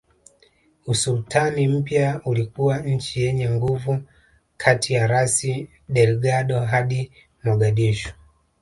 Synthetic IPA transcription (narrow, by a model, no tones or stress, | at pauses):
usultʰanim̩pjaulikuwaɲ̩t͡ʃijɛɲɛŋɡuvu | kʰatʰijaɾasi | ɗɛlɡaɗɔɦaɗi | mwaɡaɗiʃɔ̥